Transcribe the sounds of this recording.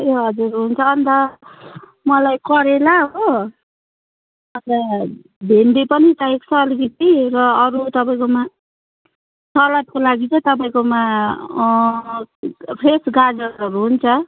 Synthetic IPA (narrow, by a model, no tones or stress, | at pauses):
jeɦoɦʌd͡zuɾɦunt͡sʰʌːnd̪a | mʌlajkʌɾelaɦo | ʌt̪a | bʱeɳɖipʌnit̪aeksʰʌːlikit̪iɾʌːɾut̪ʌpaĩkoma | sʌlʌt̪̚kolaɡit͡sʌ̃t̪ʌp̬aĩkoma | pʰesɡad͡zʌʌɾuɦunt͡sʰʌ